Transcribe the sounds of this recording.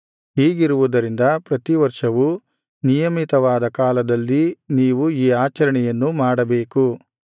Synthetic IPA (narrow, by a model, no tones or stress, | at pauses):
ɦiːɡiɾuʋud̪ɐɾind̪ɐpɾɐt̪iʋɐɾʂɐʋu | nijɐmit̪ɐʋaːd̪ɐkaːlɐd̪ɐlːiniːʋuiːaːt͡ʃɐɾɐɳɛjɐnːumaːɽɐbeːku